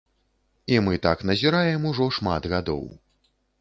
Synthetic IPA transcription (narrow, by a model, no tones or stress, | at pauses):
imɨt̪aknɐzʲiɾajɛmuʐɔʂma̰d̪ɣad̪ɔ̰w